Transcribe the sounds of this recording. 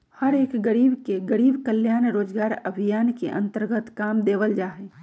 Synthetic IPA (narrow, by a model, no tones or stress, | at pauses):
həɾeːkɡəɾiːbkeɡəɾiːbkəljaːnɾoːd͡ʒɡaːɾəbʱijaːnkḛʔə̰̃nt̪əɾɡət̪kaːmd̪eːʋəld͡ʒaːɦe